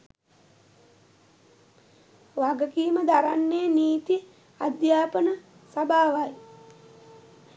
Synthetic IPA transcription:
ʋaɡəkiːməd̪aɾanːejniːt̪i | ad̪jaːpənə | sabʱaːʋaj

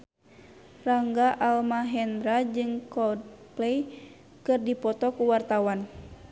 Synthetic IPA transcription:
raŋɡaʔalmaɦɛndɾad͡ʒɨŋkɔdplɛj | kɨrdipɔt̪ɔkuwart̪awan

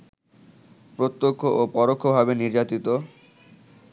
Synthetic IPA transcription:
pɾot̪ːokʰːoʔopɔɾokʰːobʱabeniɾd͡ʑat̪it̪o

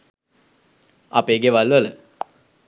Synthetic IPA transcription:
apeːɡeʋalʋələ

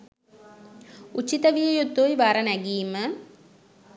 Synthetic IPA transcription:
ut͡ʃːit̪ɐʋijɐjud̪ːojʋaɾɐnæɡiːmə

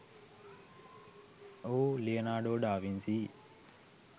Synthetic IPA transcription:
oːleɐnaːɖoːɖaːʋinsi

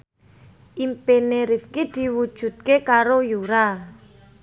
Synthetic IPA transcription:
ʔimpeneɾifkid̪̥i̤wud̥ʒ̥ṳt̪̚kekaɾojuɾa

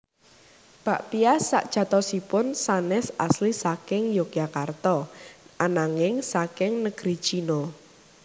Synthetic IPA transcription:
b̥a̤ʔpiasa̰ʔd̥ʒ̥ä̤t̪ɔsipʊnsanɛsaslisakɪŋjokjakart̪ɔʔanaŋɪŋsakɪŋnəɡ̥ɾi̥t͡ʃino

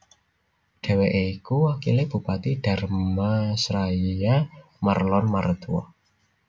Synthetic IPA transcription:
ɖ̥e̤weʔeikuwakḭlɪb̥ṳpat̪iɖ̥a̤rmasɾaija | marlɔnmaɾd̪uɔ̰

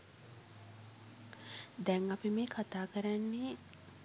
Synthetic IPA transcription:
d̪ɛŋapimeːkʰat̪aːkəɾanːe

